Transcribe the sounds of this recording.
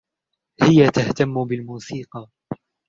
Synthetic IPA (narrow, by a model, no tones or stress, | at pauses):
hɪjat̪aht̪amːʊbɪlmuːsiːqɑ